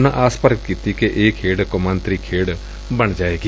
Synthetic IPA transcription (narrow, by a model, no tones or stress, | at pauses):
nãʔaːspəɾɡət̪kit̪ikeʔeːkʰeːɽkomãnt̪ɾikʰeːɽ | bɐɳ̃d͡ʒaːeːɡi